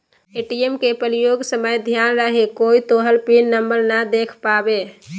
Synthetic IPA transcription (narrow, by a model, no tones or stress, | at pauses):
eʈijemkepəɾijoɡsəməjd̪ʱjanɾəɦekoit̪oɦəlpinːəmbəɾnad̪ekʰpabe